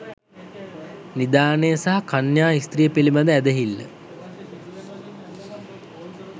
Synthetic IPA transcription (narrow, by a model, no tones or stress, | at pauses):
nid̪aːnejəsaɦakanjaːist̪rijəpilibad̪əæd̪əɦilːə̰